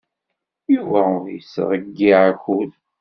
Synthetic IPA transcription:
juvæʊɾjəsʁəɡːiʕaçul

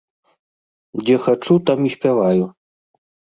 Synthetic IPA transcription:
d͡zʲɛxat͡ʂut̪amisʲpʲavaju

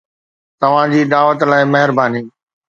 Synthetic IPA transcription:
t̪ɐʋ̤ãd͡ʑiːɗ̪aːʋət̪laːɪmɐɦɪɾbaːniː

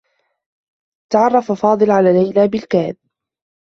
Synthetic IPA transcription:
t̪aʕɑrˤːɑfafɑːd̪ˤɨlʕalaːlːajlaːbɪlkaːd̪̚

